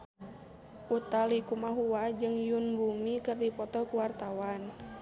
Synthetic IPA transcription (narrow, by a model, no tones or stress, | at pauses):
ʔut̪alikumaɦuwad͡ʒɨŋjunbumikɨrdipɔt̪ɔkuwart̪awan